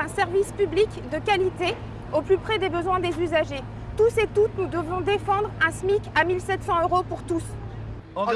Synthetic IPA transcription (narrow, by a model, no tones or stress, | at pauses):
ɛ̃sɛʁvispyblikd̪əkʲalit̪e | oplypχɛd̪ebəzwɛ̃d̪ezyzaʒe | t̪uset̪ut̪nud̪əvɔ̃d̪efɑ̃d̪ʁɛ̃smikʲamilsɛt̪sɑ̃øʁopuʁt̪us